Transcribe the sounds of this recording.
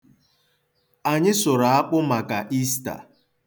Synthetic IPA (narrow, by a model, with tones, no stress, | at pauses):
a˨ɲɪ˦sʊ˨ɾa˨a˦k͡pʊ˦ma˨ka˨ʔi˦sta̰˨